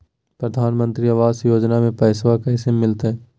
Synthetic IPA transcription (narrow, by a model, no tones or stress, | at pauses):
pɾəd̪ʱaːnmə̃nt̪ɾiɐʋaːsjoːd͡ʒnamẽpɛːswakaɪsemːɪlt̪ɦɛː